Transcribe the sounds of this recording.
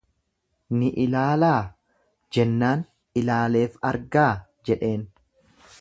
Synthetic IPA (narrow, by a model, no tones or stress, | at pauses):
nɪʔɪlaːlaː | d͡ʒɛnːaːn | ɪlaːle̞ːfɐɾɡaː | d͡ʒɛᶑe̞ːn